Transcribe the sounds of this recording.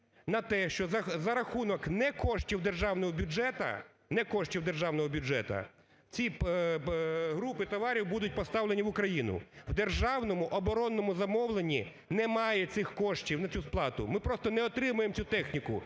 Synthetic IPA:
nɐt̪ɛʃt͡ʃɔɐzɐɾɐxunɔknɛkɔʃtʲiwd̪erʒɑwnɔɦɔbʲud͡ʒɛt̪ɐ̰ | nɛkɔʃtʲiwd̪erʒɑwnɔɦɔbʲʊd͡ʒɛt̪ɐ̰ | t͡sʲi | ɦɾupɪt̪ɔʋɑɾʲiwbud̪ʊt̚ʲpɔst̪ɑwlenʲiʋʊkɾɐjinʊ̰wd̪erʒɑwnɔmʊʔɔbɔɾɔnːɔmʊzɐmɔwlˠenʲi | nɛmɑjɛt̪sɪxkɔʃtʲiwnɐt͡sʲusplˠɑt̪ʊmɪpɾɔst̪ɔnɛɔt̪ɾɪmʊjemt͡sʲut̪ɛxnʲikʊ

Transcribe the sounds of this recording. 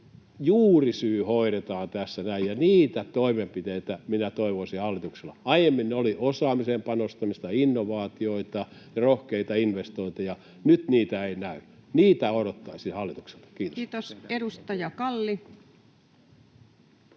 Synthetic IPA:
juːrisyːhoiɾet̪ɑːnt̪æsːænæijjɑniːt̪æt̪oimempit̪eit̪æminæt̪oiʋosihɑlːit̪ukselːɑɑijemːinneoliʔosɑːmisempɑnost̪ɑmist̪ɑinːoʋɑːt̪ioit̪ɑjɑrohkeit̪ɑinʋest̪oit̪ɑjɑ | nyt̪niːt̪æeinæyniːt̪æodot̪ːɑisihɑlːit̪ukse̥lt̪ɑ̥kiːt̪ot̪osedust̪ɑjɑkɑlːi

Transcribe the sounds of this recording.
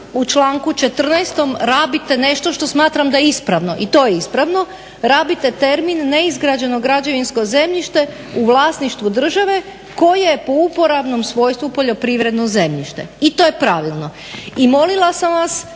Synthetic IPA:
ut͡ʃlˠaːŋkut͡ʃe̞t̪r̩nɛjst̪o̞mɾaːbit̪e̞ne̞ʃt̪o̞ʃt̪osmaːt̪ɾamd̪ajeispɾaʋno̞̰ʔit̪o̞jeispɾaʋno̞ | ɾaːbit̪e̞t̪e̞ɾminːeizɡɾad͡ʑe̞no̞ɡɾad͡ʑoʋinsko̞ze̞mʎiʃt̪e̞ | uʋlˠaːsniʃt̪ʋud̪r̩ʒaʋe̞ | ko̞jejepo̞upo̞ɾabno̞msʋo̞jst̪ʋupo̞ʎo̞pɾiʋɾe̞d̪noze̞mʎiʃt̪e̞̰it̪o̞ːjepɾaʋilˠno̞ | imo̞lilˠasamʋas

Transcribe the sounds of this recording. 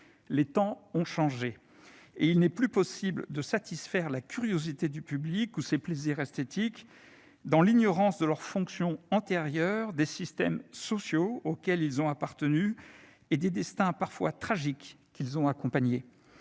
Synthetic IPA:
let̪ɑ̃ɔ̃ʃɑ̃ʒe | eilnɛplypɔsibld̪əsat̪isfɛʁlakʲyʁjozit̪ed̪ypyblikusepleziʁɛst̪et̪ik | d̪ɑ̃liɲɔʁɑ̃sd̪əlœʁfɔ̃ksjɔ̃ɑ̃t̪eʁjœʁd̪esist̪ɛ̰msɔsjookʲɛlilzɔ̃apaʁt̪əny | ed̪ed̪ɛst̪ɛ̃paʁfwat̪χaʒikː | ilzɔ̃akɔ̃paɲe

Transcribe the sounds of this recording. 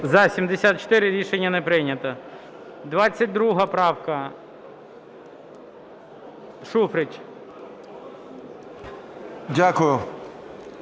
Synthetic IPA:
zɐsʲimd̪esʲat̪̚t͡ʃo̥t̪ɪɾɪɾʲiʃenʲːɐnɛpɾɪnʲɐt̪ɐ | d̪ʋɑt͡sʲːɐt̚ʲd̪ɾuɦɐpɾɑwkɐ | ʃufɾɪt͡ʃʲ | dʲakʊjʊ

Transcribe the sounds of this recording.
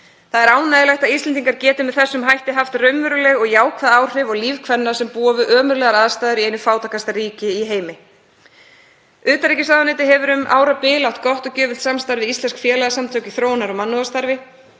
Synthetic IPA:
θaðɛɾaːwnajðɪlajxt̪aðist̪ɛniŋkaɾcɛːt̪ɪmɛðθɛsːʏmɦajht̪ɪɦaft̪rœɥmvʏɾʏlɛɣɔɣjaːwkʰvaðaːwr̥ɪvɔɣliːvkʰvɛnːasɛmpuːavʏʔœːmʏɾlɛɣaɾaːðast̪ajðʏɾiejnʏfaːwt̪akʰast̪aɾiːcɪiɦeːjmɪ | ʏːt̪aɾicɪsaːðanɪːt̪ɪɦɛvʏɾʏma̰ːwɾapɪːlawt̪kɔht̪ɔcœːvɪl̥t̪samst̪aɾvɪist̪lɛnskfjɛːlaɣasamt̪ʰœːcɪθɾoːwnaɾɔmanːʏast̪aɾvɪ

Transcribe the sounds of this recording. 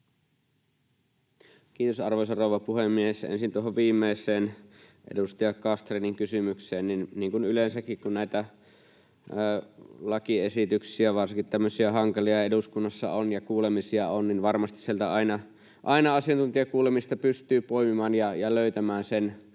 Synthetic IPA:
kiːt̪osɑrʋois̬ɑroˑuʋɑpuhemːiehesḛnsint̪uoɦoʋʋiːmːˑeisˑeːnʔḛdust̪ɑjɑkɑst̪reniŋkysymykseːnninniːŋkunylensækːikkunnæˑit̪æ | lɑkiesit̪yksiæʋɑrsiŋkit̪t̪æmːøsiæhɑŋkɑlijɑeduskunːɑsːɑ̰onjɑkuːlemisiɑonninʋɑrmɑst̪i̥sielt̪æɑˑinɑ | ʔɑinɑɑsiɑnt̪unt̪iɑkuːlemist̪ɑpyst̪yːpoimimɑːnjɑjɑløyt̪æmæːnsen

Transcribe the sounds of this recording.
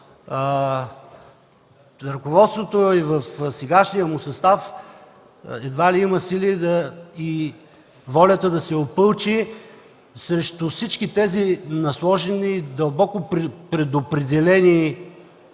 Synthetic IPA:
ɾɐkovɔt̪st̪vot̪oivəfsɛɡaʃnijəmʊsɐst̪af | ɛd̪valiimɐsilid̪əi | vɔlʲət̪əd̪ɐsɛopɤlˠt͡ʃi | sɾɛʃt̪ʊfsit͡ʃkit̪ɛzinɐslˠɔʒɛniːd̪ɐlˠbɔkʊɾpɾɛd̪opɾɛd̪ɛlɛni

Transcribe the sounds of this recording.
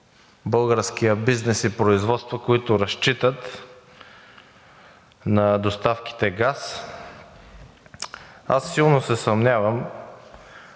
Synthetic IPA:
bɤlˠɡəɾsk̟ijəbiznɛsipɾoizvɔt̪st̪vokoit̪ʊɾɐʃt͡ʃit̪ət̪ | nɐd̪ost̪afki̥t̪ɛɡas | asːilˠnosɛsɐmnʲavəm

